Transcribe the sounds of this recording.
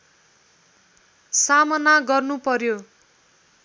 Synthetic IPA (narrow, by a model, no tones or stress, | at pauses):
samʌnaɡʌrnupʌrjo